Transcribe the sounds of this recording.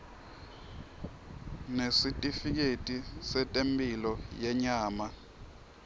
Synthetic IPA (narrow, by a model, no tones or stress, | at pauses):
nesitʼifik̬etʼisɛtʼempʼilɔjɛɲaːma